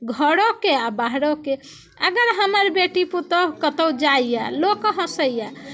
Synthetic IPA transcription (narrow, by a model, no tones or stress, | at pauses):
ɡʱəɽokeabaɦɾoke | əɡəɾɦəməɾbeʈiput̪əkət̪əwd͡ʒajja̰lokɦə̃səjja